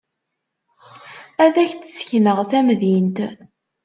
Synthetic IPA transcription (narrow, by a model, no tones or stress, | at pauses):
æðæçt͡ssə̥çnəʁθæmðint̪